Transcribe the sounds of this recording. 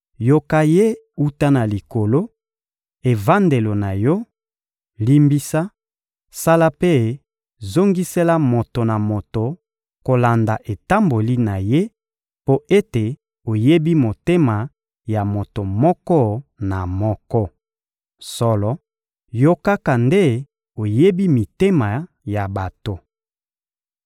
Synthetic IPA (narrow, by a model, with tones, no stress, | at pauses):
jo˦ka˦je˦ | u˦ta˦na˨li˨ko˨lo˦ | e˨va˦nde˨lo˨na˨jɔ˦ | li˦mbi˦sa˦ | sa˦la˦pe˦ | zo˦ŋɡi˦sɛ˦la˦mo˨to˨na˨mo˨to˨ | ko˨la˨nda˨ʔe˨ta˦mbo˨li˦na˨je˦ | po˦e˦te˨ | o˨je˦bi˦mo˨te˦ma˨ | ja˨mo˨to˨mɔ˦kɔ˦na˨mɔ˦kɔ˦ | sɔ˦lɔ˦ | jo˦ka˦ka˨nde˦ | o˨je˦bi˦mi˨te˦ma˨ | ja˨ba˨to˨